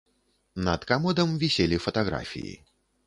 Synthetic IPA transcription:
nɐt̪kamɔd̪ɐmvʲisʲelʲifɐt̪aɣɾa̰fʲḭjḭ

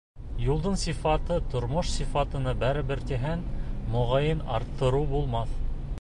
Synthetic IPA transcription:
julˠd̪ɤnsifɑt̪ɤt̪ŏɾmoʃsifɑt̪ɤ̆nɤbæɾɘ̆bɘ̆ɾt̪iɦænmŏʁɑjɤnɑ̰ɾt̪ʰːɤ̆ɾuwbulˠmɑθ

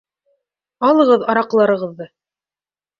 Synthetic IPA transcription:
ɑlˠɤ̆ʁɤðɑɾɑqlˠɑɾɤ̆ʁɤ̆ðːɤ

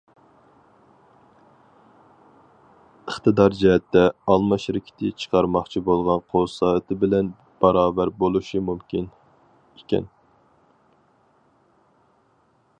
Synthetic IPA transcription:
əχt̪ɨd̪ɑɾd͡ʒɛɦɛt̪ʰːɛɑlˠmɑʃɾɪkʲʰi̥t̪ʰɪt͡ʃʰə̥qʰɑɾmɑχt͡ʃʰibolˠʁɑnqʰosɑːɨt̪ʰɪbɪlɛn | b̥ɑɾɑːbæɾbolˠuʃimumkʲin | ikʲɛ̰n

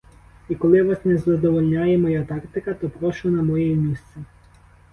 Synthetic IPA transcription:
ikɔlˠɪʋɑsnɛzɐd̪ɔʋɔlʲnʲajɛmɔjat̪ɑkt̪ɪkɐt̪ɔpɾɔʃʊnɐmɔjɛmʲist̪sʲɛ

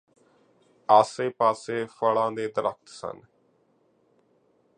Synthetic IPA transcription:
aːseːpaːseːfʰəɭãːd̪eːd̪əɾək̚t̪sə̰n

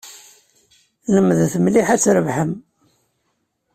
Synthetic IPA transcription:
ləmːðθmliħæt͡sːɾəvħəm

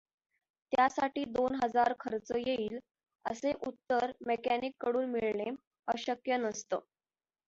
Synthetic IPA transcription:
t̪jasaʈiːd̪onɦəd͡zaɾkʰəɾt͡səjeiːl | ə̰seʔut̪ːəɾmekænikːəɽuːnmiɭɳe | əɕəkjənəst̪ə

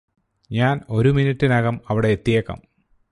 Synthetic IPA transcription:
ɲaːno̞ɾuminiʈːinɐɣɐmɐʋiɽeet̪ːijɐkːɐ̰m

